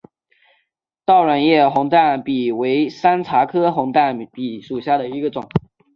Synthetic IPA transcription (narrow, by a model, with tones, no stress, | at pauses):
t̪ɑ˥˩ʊɻa˨˩njɛ˥˩xʊ˧˥ŋt̪a˥˩npi˨˩we˧˥ɪsa˥nt͡sʰa˧˥kʰɤ˥xʊ˧˥ŋt̪a˥˩npi˨˩ʂu˨˩ɕja˥˩d̪ə˩i˧˥ɡə˧ʈ͡ʂʊ˨˩˦ŋ